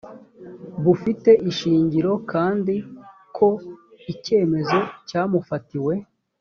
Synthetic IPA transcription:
βufite̞ʔiʃiːɲɟiɾo̞kaːndikʰo̞ | ice̞ːme̞zo̞caːmufatiwe̞

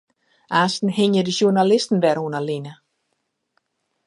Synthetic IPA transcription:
ʔaːstn̩hɪɲjədəʃurnalɪstn̩ʋɛɾuənalinə

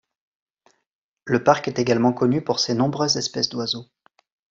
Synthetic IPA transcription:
ləpaʁkɛt̪eɡalmɑ̃kɔnypuʁsenɔ̃bʁøzɛspɛsd̪wazo

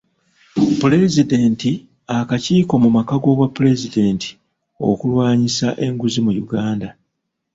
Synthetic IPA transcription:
pule̞zide̞ːnti | akaciːko̞mumakaɡo̞ːβwapːule̞zide̞ːntʰi̥ | o̞̰kulwaːɲisaʔe̞ŋɡuzimujuɡaːnda

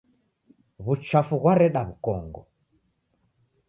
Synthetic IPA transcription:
βut͡ʃafuɣwaɾɛɗaβukɔŋɡɔ̰

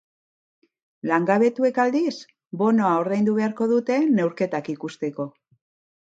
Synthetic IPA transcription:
laŋɡaβe̞t̪ue̞kald̪is | bo̞no̞ao̞ɾðejnd̪uβe̞aɾko̞ðut̪e̞ne̞wɾke̞t̪akikust̪e̞ko̞

